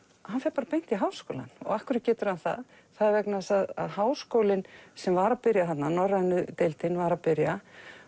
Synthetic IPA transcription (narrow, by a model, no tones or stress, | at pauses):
hanfɛɾpaːɾapejn̥t̪iɦaːwsko̰wla̰nɔ̰ɣahkʏɾɪt̪̚cɛːt̪ʏɾ̥hanθa̰ð | θaðɾvɛknasaða̰ðɦaːwskoːwlɪnsɛmvaɾapɪɾjaɦat̪nanɔrːaɪnːʏt̪ejlt̪ɪnvaɾapɪɾja